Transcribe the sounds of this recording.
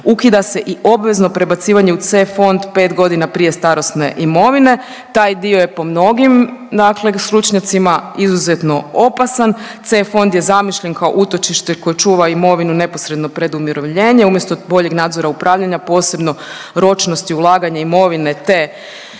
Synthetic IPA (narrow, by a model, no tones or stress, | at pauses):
ukid̪ase̞ʔiʔo̞bʋe̞znopɾe̞bat̪siːʋaɲe̞ut̪sefo̞nd̪pe̞ːt̪ɡo̞d̪inapɾije̞st̪aɾo̞st̪ne̞ʔimo̞ʋine̞ | t̪aːjd̪io̞je̞po̞mno̞ɡimd̪akle̞st̪ɾut͡ʃɲat̪simaizuzet̪no̞opasant̪sefo̞nd̪je̞zamiʃʎenkao̞̰ʔut̪o̞t͡ʃiʃt̪eko̞jet͡ʃuːʋaimo̞ʋinune̞po̞sɾe̞d̪no̞pɾe̞d̪umiɾo̞ʋʎe̞ːɲe̞umjest̪o̞bo̞ʎe̞ɡnaːd̪zo̞ɾaupɾʔaːʋʎaɲapo̞ːse̞bno̞ | ɾo̞t͡ʃno̞st̪iulˠaːɡaɲaimo̞ʋine̞t̪e